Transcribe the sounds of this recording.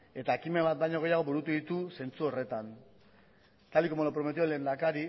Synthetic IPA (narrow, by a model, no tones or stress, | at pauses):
e̞t̪akime̞βat̪̚d̪ajɲo̞ɣ̞e̞jaɣ̞o̞buɾut̪uðit̪use̞nt͡suo̞re̞t̪an | t̪ald̪iko̞molopɾo̞me̞t̪̬iole̞ːnd̪akaɾi